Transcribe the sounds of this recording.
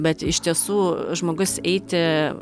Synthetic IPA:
bʲɛt̪ɪʃʲt̪ʲiɛsuːʒmoːɡʊsɛɪt̪ʲɪ

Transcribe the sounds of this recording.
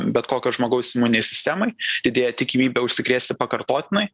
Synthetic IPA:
bʲɛt̪koːkʲoːʒmoːɡɐʊsɪmuːnʲɪnʲɛɪsʲɪ̥sʲt̪ʲæmɐɪd̪ʲɪd̪ʲeːjɛt̪ʲɪkʲɪmʲiːbʲɛʊʃʲsʲɪkɾʲeːsʲt̪ʲɪpɐkɐɾt̪oːt̪ʲɪnɐɪ

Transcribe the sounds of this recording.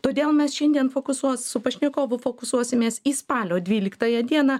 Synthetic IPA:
t̪oːd̪ʲeːlˠmʲɛsʃʲɛnʲd̪ʲiɛnfoːkʊsuɔssʊpɐʃʲnʲɪkoːʋʊfoːkʊsuɔsʲɪmʲeːsiːspɑːlʲoːdʲʋʲiːlʲɪkt̪ɑːjɛd̪ʲiɛnɑː

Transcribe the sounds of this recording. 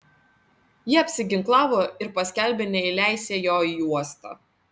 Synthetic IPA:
jɪɐpʲsʲɪɡʲɪŋklˠɑːʋoːɪɾpɐsʲkʲæˑlʲbʲenʲɛɪlʲæˑɪsʲeːjoːjuɔst̪ɑ̰ː

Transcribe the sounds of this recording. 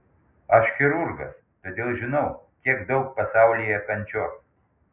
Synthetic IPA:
ɐʃxʲɪɾuɾɡɐ̰s | t̪oːd̪ʲeːlˠʒʲɪnɐʊkʲiɛkd̪ɒʊk̚pɐsɑʊlʲijɛkɐnʲt͡ʃʲɔk

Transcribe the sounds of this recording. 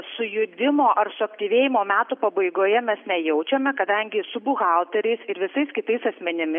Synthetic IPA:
sʊjʊd̪ʲɪmoːʔɐrsʊɐkt̪ʲiːʋʲeːjɪmoːmʲæːt̪upɐbɐɪɡoːjɛmʲɛsnʲɛjɛʊt͡ʃʲɛmʲɛkɐd̪ɐŋʲɡʲɪsʊbʊɣɑlˠt̪ʲɛɾʲɛɪsɪɾʋʲɪsɐɪskʲɪt̪ɐɪsɐsʲmʲɛnʲɪmʲɪ

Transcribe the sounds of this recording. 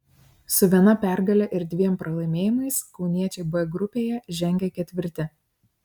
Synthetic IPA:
sʊʋʲiɛnɐpʲæˑɾɡɐlʲɛʔɪɾd̪ʲʋʲiɛmpɾɐlˠɐɪmʲeːjɪmɐɪskɒʊnʲiɛt͡ʃʲɛɪbʊʋʲɛɡɾʊpʲeːjɛʒʲɛŋʲɡʲɛkʲɛt̪ʲʋʲɪɾʲt̪ʲɪ

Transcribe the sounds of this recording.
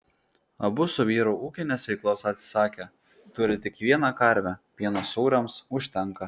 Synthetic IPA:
ɐbʊsʊʋʲiːɾoːʔuːkʲɪnʲeːsʋʲɛɪklˠoːsɐt̪ʲsʲɪ̥sɑːkʲe | t̪ʊɾʲɪt̪ʲɪkʋʲiɛnɑkɐɾʲʋʲɛpʲiɛnosɔʊɾʲɛmsʊʃʲt̪ʲɛŋkɐ

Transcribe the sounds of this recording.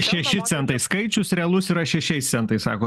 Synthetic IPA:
ʃʲɛʃʲɪt̪sʲɛnt̪ɐɪskɐɪt͡ʃʲʊsɾʲɛɐlˠʊsɪɾɐʃʲɛʃʲɛɪst̪sʲɛnt̪ɐɪsɑ̰ːkoː

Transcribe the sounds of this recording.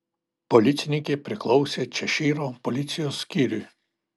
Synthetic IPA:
pɔlʲɪt̪sʲɪnʲɪkʲepʲɾʲɪklˠɔʊsʲet͡ʃʲɛʃʲiːɾopɔlʲɪt̪sʲɪjoːsːkʲiɾʲy

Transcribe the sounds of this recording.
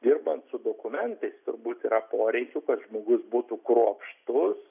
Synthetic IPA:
d̪ʲɪrbɐnt̪sʊd̪oːkʊmʲɛnt̪ɐɪst̪ʊɾbuːt̪iːɾɐpoːɾʲɛɪkʲukɐt̪ʒmoːɡʊsbuːt̪ukɾuɔpʃt̪ʊs

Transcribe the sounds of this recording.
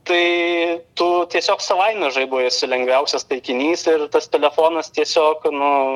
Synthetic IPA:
t̪ɐɪt̪uːt̪ʲiɛsʲoːksɐʋɐɪnʲɐʒɐɪbʊʋjɪsʊlʲɛŋɡʋʲɛʊsʲɛst̪ɐɪkʲɪnʲiːsɪrt̪ɐst̪ʲɛlʲɛfoːnɐst̪ʲiɛsʲoːknʊ

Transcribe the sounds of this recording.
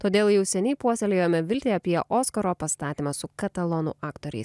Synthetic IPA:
t̪oːd̪ʲeːlˠjɛʊsʲɛnʲɛːpuɔsʲɛlʲejoːmʲɛʋʲɪlʲt̪ʲeːɐpʲiɛʔoːskoɾoːpɐst̪ɑːt̪ʲiːmɑsʊkɐt̪ɐlˠɔnṵʔɑːkt̪oːɾʲɛ̰ɪs

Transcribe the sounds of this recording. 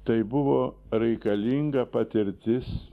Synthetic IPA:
t̪ɐɪbʊʋoː | ɾɛɪkɐlʲiŋɡɐpɐt̪ʲɪɾʲt̪ʲɪs

